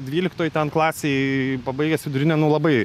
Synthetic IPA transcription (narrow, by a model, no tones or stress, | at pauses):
d̪ʲʋʲiːlʲɪkt̪oːjt̪ʲɛnklˠɑːsʲeːpɐbɐɪɡʲɛsʋʲɪd̪ʊɾʲɪnʲɛnʊlˠɐbɐɪ